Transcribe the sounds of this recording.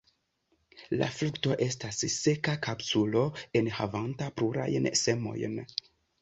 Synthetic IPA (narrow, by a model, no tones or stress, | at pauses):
la̰flukto̞ʔe̞stasse̞kakapsulo̞e̞nhavantapluɾa̰jnse̞mo̞̰jn